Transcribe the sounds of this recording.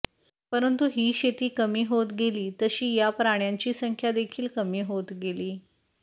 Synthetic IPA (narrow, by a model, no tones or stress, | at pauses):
pəɾənt̪uɦiːɕet̪iːkəmiːɦot̪ɡeliːt̪əɕiːjapɾaɳ̃jaɲt͡ɕiːsəŋkʰjad̪ekʰiːlkəmiːɦot̪ɡeliː